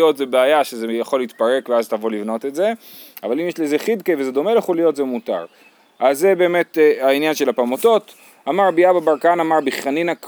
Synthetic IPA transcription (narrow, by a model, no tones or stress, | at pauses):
otzebeajaʃezejaχo̞liit̪paʁe̞kveaztavo̞livno̞te̞tze̞ | a̰valimjeʃlezeχid̪kevezed̪ome̞ljaχolijo̞tzemuta̰ʁ | ʔaze̞be̞ːme̞tainjanʃe̞lapamoto̞t | amaʁbiababaʁkaanamaʁbiχaninak